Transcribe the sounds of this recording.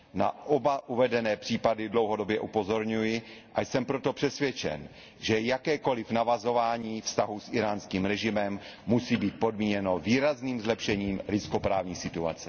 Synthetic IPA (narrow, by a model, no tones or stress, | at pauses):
na̰ʔobaʔuvɛdɛnɛːpr̥iːpadɪdlo̞wɦo̞do̞bjɛʔupo̞zo̞ɾɲujɪʔajsɛmpɾot̪o̞pr̥ɛsvjɛt͡ʃɛ̰n | ʒɛjakɛːko̞lɪfnavazo̞vaːɲiːfst̪aɦusʔɪɾaːnskiːmɾɛʒɪmɛmːusiːbiːt̪̚po̞dmiːɲɛno̞viːɾazniːmzlɛpʃɛɲiːmɾɪskopɾaːvɲiːsɪt̪ua̰t͡sɛ̥